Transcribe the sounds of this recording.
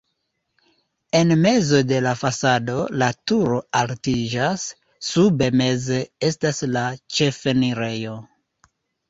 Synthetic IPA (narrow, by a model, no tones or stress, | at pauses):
e̞nme̞zo̞de̞lafasado̞latuɾo̞altid͡ʒasː | ube̞me̞ze̞e̞staslat͡ʃe̞fe̞niɾe̞jo̞